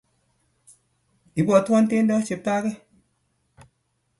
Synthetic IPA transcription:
i˨bɔ˨tɔ˦nte˦ndɔ˦t͡ʃe˨pa˦ke˦

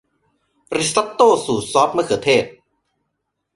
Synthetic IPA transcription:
ɾi˧˥sa˦˥t̪ːoː˥˩suː˨˩sɔː˦˥p̚mɯ˥˩ɐkʰɤː˩˦t̪ʰeː˥˩t̪̚

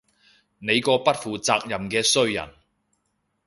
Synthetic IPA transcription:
ne˨˧jkɔː˧pɐ˥t̚fuː˨t͡saː˧k̚jɐ˨mkɛː˧sɵ˥ɥjɐ̰˨˩n

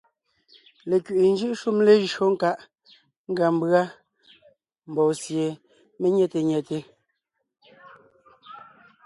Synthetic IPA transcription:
le˨kɥʔe˨n̩˦d͡ʒɯ˦ʔʃu˦mle˦ʒo˦ŋ̩˦ka˦ʔ | ŋ̩˦ɡa˨m˦bɰa˦ | m̩˨bɔː˨sje˨ | me˦ɲɛ˦˨te˨ɲɛ˨te˨

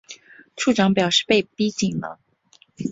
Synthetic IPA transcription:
ʈ͡ʂʰu˥˩ʈ͡ʂɑ˧˥ŋpjɑ˨˩ʊʂɻ̩˥˧pe˥˩ɪpi˥t͡ɕi˨˩nlə̰˦

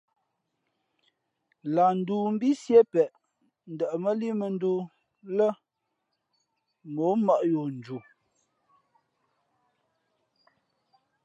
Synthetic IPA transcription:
la˨n̩˨du˨m̩˦bi˦sje˦pɛ˨ʔ | n̩˨də˨ʔə˨mə˦li˦mə˨n̩˦du˦ | lə˦ | mo˨˦mə˦ʔjo˨n̩˨d͡ʒu˨

